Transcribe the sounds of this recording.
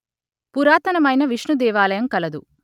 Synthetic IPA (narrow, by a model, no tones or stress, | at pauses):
puɾaːt̪ɐnɐmɐjnɐʋiʂɳud̪ɛːʋaːlɐjɐmkɐlɐd̪u